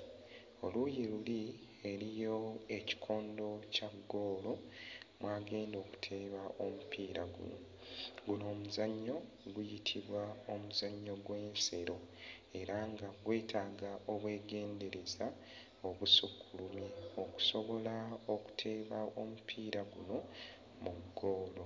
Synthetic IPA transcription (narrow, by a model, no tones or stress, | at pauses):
o̞lujeluli | e̞ɾijo̞e̞ci̥kʰo̞ːndo̞caɡːo̞ːlo̞mwaːɡe̞ːndo̞ːku̥tʰe̞ːβaʔo̞mupiːɾaɡṵn | ɡuno̞ːmuzaɲːo̞ | ɡujitʰiβwaomuzaɲːo̞ɡwe̞ːnse̞ɾo̞ | e̞ɾaŋɡaɡwe̞ːtʰaːɡaʔo̞βwe̞ːɡe̞ːnde̞ɾe̞za | o̞βusukːʰulumioku̥so̞βo̞lao̞ku̥tʰe̞ːβao̞mupʰiːɾaɡuno̞ | muɡːo̞ːlo̞